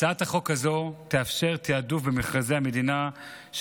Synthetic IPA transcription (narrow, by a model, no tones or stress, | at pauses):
aataχo̞khazo̞t̪eafʃe̞ʁt̪eadufbemeχʁazejhame̞dina | ʃ